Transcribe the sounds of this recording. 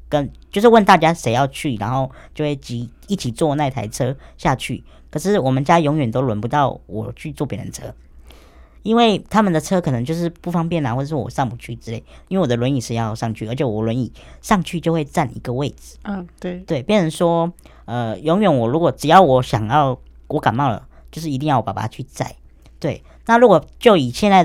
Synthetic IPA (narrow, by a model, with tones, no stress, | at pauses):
kə˥nt͡ɕjo˥˧ʊʂ̬ɻ̩˥˧wə˥˧nt̪a˥˩t͡ɕja˥ʂe˧˥ɪjɑ˥˧ʊt͡ɕʰy˥˩ɻa̰˧˥nxo˥˧ʊ | t͡ɕjo˥˧ʊxwe˥˩ɪt͡ɕi˧˥ | i˥˩t͡ɕʰi˨˩t͡swɔ˥˧na˥˩ɪt̪ʰa̰˧˥ɪʈ͡ʂʰɤ˥ɕja˥˧t͡ɕʰy̰˥˩ | kʰɤ˨˩ʂɻ̩˥˩wɔ˨˩mə˨˦nt͡ɕja˥jɔ˧˥ŋɥɛ˨˩nt̪o˥ʊlwə˧˥npu˧˦t̪ɑ˥˩ʊwɔ̰˨˩t͡ɕʰy˥˧t͡swɔ˥˩pjɛ˧˥ɻə̰˧n˧t͡sʰɤ̰˥ | i˥nwe˥˩ɪt̪ʰa˥mə˨nd̪ə˩t͡sʰɤ˥kʰɤ˨˩nɤ˧˦ŋt͡ɕjo˥˧ʊʂɻ̩˥˧pu˥˩fɑ˥ŋpjɛ˥˩nə˨˩wɔ˥˩ʈ͡ʂə˨˩ʂɻ̩˥˩wɔ̰˨˩ʂɑ˥˩ŋmu˨˩t͡ɕʰy˥˩ʈ͡ʂɻ̩˥e˥˩ɪi˥nwe˥˩wɔ˨˩d̪ə˦lwə˧˦ni˨˩ʂɻ̩˥˧jɑ˥˧ʊʂɑ˥˧ŋt͡ɕʰy̰˥˩ə˧˥t͡ɕʰɛ˨˩wɔ˨˩lwə˧˦ni˨˩ | ʂɑ˥˧ŋt͡ɕʰy˥˧t͡ɕjo˥˧xwe˥˧ɪt͡sa˥˧nḭ˧˥ɡə˧we˥˩ɪd͡zɹ̩˨˩˧t̪we˥˩ɪpjɛ˥˩nʂə˧˥nʂwɔ˥ | ə˧jɔ˧˥ŋɥɛ˨˩nwɔ˨˩ɻu˧˥kwɔ˨˩ʈ͡ʂɻ̩˨˩jɑ˥˩ʊwɔ˧˩ɕjɑ˨˩ŋjɑ˥˧ʊ | wɔ˧˥ka˨˩nmɑ˥˩ŋlə̰˩t͡ɕjo˥˧ʊʂɻ̩˥˩i˧t̪i˥˧ŋjɑ˥˩ʊ˨˩pa˨˩pa̰˧˥˦t͡ɕʰy˥˧t͡sa̰˥˩ɪ | t̪we˥˩ɪ | na˥˩ɻu˧˥kwɔ˨˩t͡ɕjo˥˩ʊi˨˩ɕjɛ˥˧nt͡sa˥˩